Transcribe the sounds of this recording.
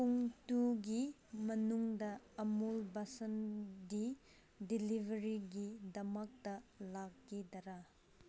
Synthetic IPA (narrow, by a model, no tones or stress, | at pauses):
puŋtuɡi | mɐnuŋdɐːmulbɐsɐndi | dilibʱɐɾiɡidɐmɐk̚tɐlakːidɐɾa